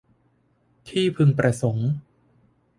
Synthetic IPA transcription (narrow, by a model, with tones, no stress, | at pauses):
t̪ʰiː˥˩pʰɯ˧ŋpɾa˧so˩˦ŋ